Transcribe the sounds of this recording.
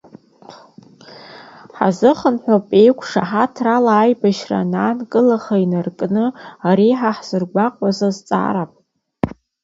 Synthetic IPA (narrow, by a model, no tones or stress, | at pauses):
ħa̰zɨχənħʷᶣopʼe̞jkʷʰʂaħatʰralaːjbaʃra̰naːnkʼɨlaχainarkʼnɨaɾiħaħz̥ɨrɡʷaqʷʼazazt͡sʼa̰ːɾapʼ